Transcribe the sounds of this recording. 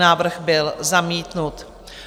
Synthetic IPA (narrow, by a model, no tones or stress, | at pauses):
naːvr̩xbɪlzamiːt̪nut̪